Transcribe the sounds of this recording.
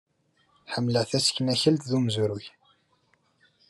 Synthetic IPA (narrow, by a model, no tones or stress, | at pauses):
ħəmːləʕθæskːnæçəlt̪ðumzuɾʊç